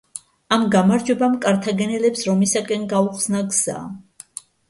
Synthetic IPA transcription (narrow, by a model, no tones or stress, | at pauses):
amɡamaɾd͡ʒwɛbamkʼaɾt̪ʰaɡɛnɛlɛpsɾɔmisakʼɛnɡauχsnaɡz̥a̰